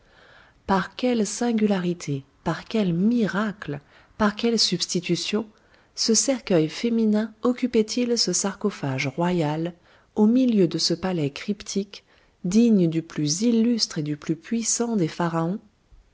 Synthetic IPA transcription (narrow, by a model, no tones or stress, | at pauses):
paʁkʲɛlsɛ̃ɡʲylaʁit̪ʰe | paʁkʲɛlmiʁaklə | paʁkʲɛlsybst̪it̪ysjɔ̃ | səsɛʁkʲœjfeminɛ̃ɔkʲypɛt̪ʰilsəsaʁkɔfaʒʁwajal | omiljød̪əsəpalɛkχipt̪ʰik | d̪iɲd̪yplyzilːyst̪χed̪yplypɥisɑ̃d̪efaʁaɔ̃